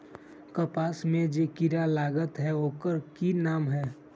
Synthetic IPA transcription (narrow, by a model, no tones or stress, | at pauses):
kəpaːsmẽd͡ʒekɪɾalaːɡət̪ɦɛoːkəɾkinaːmɦɛː